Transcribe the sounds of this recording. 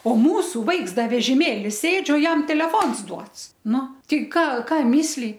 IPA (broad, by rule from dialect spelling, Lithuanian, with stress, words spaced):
oː ˈmuːsʊ ˈʋɐɪks ˈdɐ ʋʲɛʒʲɪˈmʲeːlʲɪ ˈsʲeːt͡ʃʲ oː ˈjɛm tʲɛlʲɛˈfoːns ˈduɔts ˈnʊ tʲɛɪ ˈkɑː ˈkɑː mʲɪsʲˈlʲiː